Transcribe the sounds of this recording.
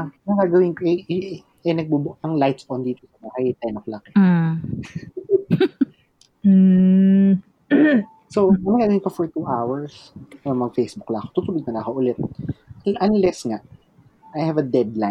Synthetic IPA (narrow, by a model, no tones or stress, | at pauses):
aɐŋɡaɡɐwɪnkoʔɛ | ɛnɐɡ̚bubʊɐŋlajt̪spɐʔond̪iːt̪osɐmakɐit̪ɛnoklakɛ | soɐmɐŋɡaːɡɐwɪnkofɔɹt̪uʔawɐɹsɛmɐɡfejsbuklɐʔɐkot̪ut̪ʊlod̪̚nɐlaːkoʔʊlɛt̪̚ | ʔɐnlɛsŋaʔ | ʔajhɛvɐd̪ɛd̪la